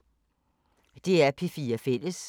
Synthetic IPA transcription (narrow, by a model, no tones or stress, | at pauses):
d̥e̝æɐpʰifiːɐfel̰əs